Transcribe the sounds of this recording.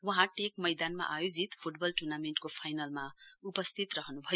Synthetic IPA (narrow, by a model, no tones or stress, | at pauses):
wʌɦãʈekmʌjd̪anma̰ʔajod͡zit̪pʰuʈbʌlʈurnameɳʈkopʰajnalmaupʌst̪ʰit̪rʌɦʌnubʱʌjo